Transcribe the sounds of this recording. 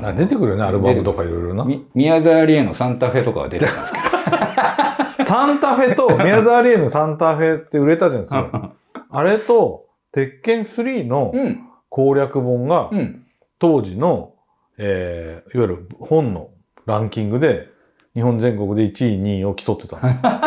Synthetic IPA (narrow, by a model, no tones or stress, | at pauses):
ad̪e̞t̪e̞kɯ̟ɾɯjoneaɾɯbamɯt̪o̞kaiɾo̞jɾo̞na | mʲiazaːɾʲienosãnt̪aɸe̞t̪o̞ka̰βa̰d̪et̪easke | sãnt̪aɸe̞t̪o̞mʲiazaːɾʲieno̞sãnt̪aɸe̞t̪ːeɯ̟ɾe̞t̪ad͡ʑanasko | aɾe̞t̪o̞ | t̪e̞kːẽ̞ɰ̃sɨɾʲiːno̞ | kʰo̞ːɾʲakɯ̟bõ̞ŋɡa | t̪o̞ːd͡ʑino̞ | eːiβaiɾɯ̟hõ̞nːo̞̰ | ɾãŋkʲĩŋɡɯ̟d̪e̞ | ɲ̟ihõ̞nd͡zẽ̞ŋko̞kɯ̟d̪e̞it͡ɕiːɲ̟iːo̞kʲi̥so̞t̪ːe̞t̪ãnd̪